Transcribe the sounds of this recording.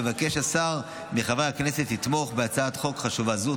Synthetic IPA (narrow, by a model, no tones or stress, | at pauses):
evake̞ʃasaʁ | miχavajhakne̞se̞tit̪mo̞χbeat͡saat̪χo̞kχaʃuvazu